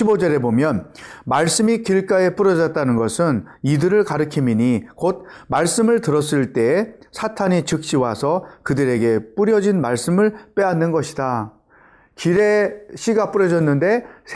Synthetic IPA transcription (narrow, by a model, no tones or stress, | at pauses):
ibod͡ʑʌɾe̞bomjʌnmaɭs͈ɯmikiɭk͈ae̞p͈uɾʌd͡ʑʌt̚t͈anɯnɡʌsʰɯn | idɯɾɯɭkaɾɯkʰimiɲikod̚maɭs͈ɯmɯɭtɯɾʌs͈ɯɭt͈e̞ːsʰatʰaɲit͡ɕɯk̚ɕ͈iwasʰʌkɯdɯɾe̞ɡe̞p͈uɾjʌd͡ʑinmaɭs͈ɯmɯɭp͈e̞anːɯnɡʌɕʰida | kiɾe̞ɕʰiɡap͈uɾjʌd͡ʑʌnːɯnde̞